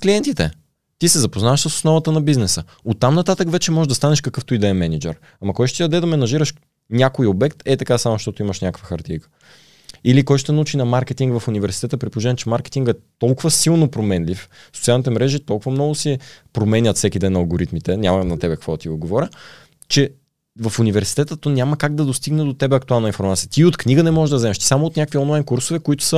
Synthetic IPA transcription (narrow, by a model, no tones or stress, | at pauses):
kliɛnt̪it̪ɛ | t̪isɛzɐpoznavəʃsəso̥snɔvɐt̪ənɐbiznɛsə | ot̪ːamnɐt̪at̪əkvɛt͡ʃɛmɔzɛʒd̪ɐst̪anɛʃkəkɤft̪ʊid̪ɛɐmɛnid͡ʒɛ̰ɾ | amɐkɔjʃt̪ot̪id̪d̪ɛd̪ɐmɛnɐʒiɾəʃ | nʲakoiobɛkt̪ɛt̪ɐkasamʊʃt̪ɔt̪oiməʃnʲakəkvəxɐɾt̪ijkə̥ | ilikɔjʃt̪ot̪ɛnɐut͡ʃinɐmaɾkɛt̪iŋɡvɐfunivɛɾsi̥t̪ɛt̪əpɾipolˠoʒɛnɛt͡ʃɛmaɾkɛ̥t̪iŋɡɛt̪ɔlˠkʊvəsilˠnopɾomɛnlifso̥t̪sialnit̪ɛmɾɛʒit̪ɔlˠkʊvəmnɔɡʊsipɾomɛnʲət̪fsɛkʲid̪ɛnɐlˠɡoɾit̪mit̪ɛnʲamənɐt̪ɛbɛkə̥ɐkvɔt̪iod̪̚ɡovɔɾʲə | t͡ʃɛ | vɐfunivɛɾsi̥t̪ɛt̪ət̪ːɔnʲaməkaɡd̪ɐd̪ost̪iɡnɛd̪ot̪ɛbɛɐk̚t̪ualˠnəinfoɾmat̪sijət̪iot̪knʲiɡənɛmɔɛʒd̪ɐzɛmɛʃt̪i̥samoot̪nʲakəkviɔnlˠajnkuɾsovɛkoit̪ʊ̥sə